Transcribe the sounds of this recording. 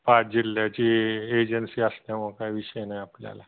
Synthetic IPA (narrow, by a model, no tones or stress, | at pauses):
pad͡ʑilːjat͡ɕiːeːd͡ʒənsiːəsnamõkaiʋiʃəjnajaplja̰la